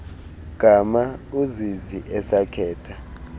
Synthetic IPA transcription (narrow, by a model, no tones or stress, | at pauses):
ɡ̥ʱamauziziʔɛsakʰɛːtʰa